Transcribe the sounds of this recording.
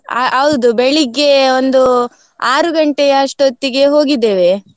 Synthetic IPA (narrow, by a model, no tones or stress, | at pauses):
ɐʋud̪ubeɭiɡːe̞ond̪u | aːɾuɡɐɳʈejɐɐʂʈot̪ːiɡe̞ɦo̞ːɡid̪ːe̞ːʋe̞